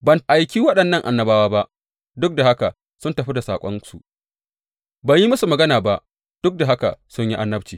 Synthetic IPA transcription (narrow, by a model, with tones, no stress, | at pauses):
bɐ˨nʔa˨jkʲiː˦wɐ˦ɗɐ˨nːɐ˦˨ŋʔa̰˨nːɐ˨baː˦waː˦ba˦ʔ | dʊ˦k̚da˨ha˦ka˨ | sʊ˦ntɐ˨ɸi˦da˨saː˨kʷʼɔ̰˦nsu˨ʔ | bɐ˨ɲji˦mɐ˦su˨mɐ˨ɡɐ˦naː˨ba˦ʔ | d̥ʊ˦k̚da˨ɦa˦ka̰˨sʊ˦ɲji˦ʔa˦nːɐ˦b̚t͡ʃiː˨